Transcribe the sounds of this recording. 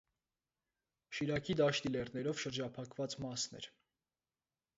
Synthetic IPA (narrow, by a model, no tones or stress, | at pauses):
ʃiɾɑkʰid̪ɑʃt̪ilɛrnɛɾɔvʃəɾd͡ʒɑpʰɑkvɑt͡smɑsnɛ̰ɾ